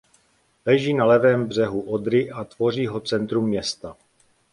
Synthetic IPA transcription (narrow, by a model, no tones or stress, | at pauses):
lɛʒiːnalɛvɛːmbr̝ɛɦuʔod̪ɾɪʔat̪vo̞r̝iːɦo̞t͡sɛnt̪ɾumːɲɛst̪a